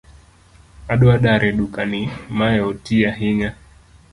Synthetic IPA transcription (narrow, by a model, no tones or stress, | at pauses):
aɗɔaɗaɾʔɛɗukanimajɛɔtiaɦiɲa